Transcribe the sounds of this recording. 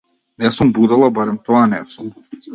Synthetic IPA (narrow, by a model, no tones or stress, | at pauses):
nɛsumbud̪alˠabaɾɛmt̪ɔanɛsum